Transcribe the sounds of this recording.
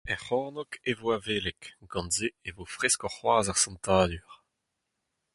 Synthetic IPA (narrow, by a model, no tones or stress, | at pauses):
ɛχɔ̃ːnɔkevoaveːlɛkɡ̥ɑ̃nzeevofʁɛskɔʁχwaːzaʁsɑ̃nt̪aːlyʁ